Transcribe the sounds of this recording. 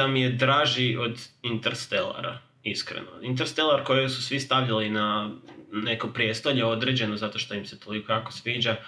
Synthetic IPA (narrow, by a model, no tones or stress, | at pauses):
amije̞d̪ɾaːʒio̞d̪int̪eɾst̪elˠa̰ɾa̰ | iskɾḛno̰int̪eɾst̪elˠaɾko̞josusʋist̪aʋjalina | ne̞kopɾje̞st̪oʎeo̞d̪ɾed͡ʑe̞no̞zat̪o̞ʃt̪o̞imse̞t̪o̞liko̞jako̞sʋiːd͡ʑa